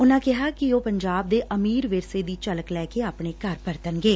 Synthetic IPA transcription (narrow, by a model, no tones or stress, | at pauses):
ʊnãːkɪɦaːkɪoːpəɲd͡ʒaːb̚d̪eːʔəmiːɾʋɪɾseːd̪iːt͡ʃələklɛːkeːaːpɳeːkəɾpəɾt̪ənɡeː